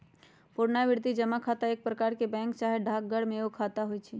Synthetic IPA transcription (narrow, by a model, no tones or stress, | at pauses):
poɾnaʋɪɾt̪id͡ʒəmakʰat̪aeːk̚pɾəkaɾkebɛ̃ŋk̚t͡ʃaɦeɖʱak̚ɡəɽmẽokʰat̪aɦojt͡ʃʰi